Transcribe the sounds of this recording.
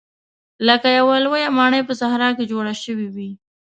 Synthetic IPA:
ləkajawalwajamɑɳəjpəsahɾɑked͡ʒoɽaʃəwiwi

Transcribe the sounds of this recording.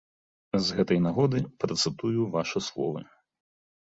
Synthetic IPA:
zɣɛt̪ɐjnaɣɔd̪ɨpɾɐt̪sɨt̪ujuvaʂɨslˠɔ̰vɐ̰

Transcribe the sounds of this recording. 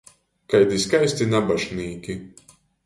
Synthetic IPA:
kajd̪iskajsʲt̪inabaʃnʲiːkʲi

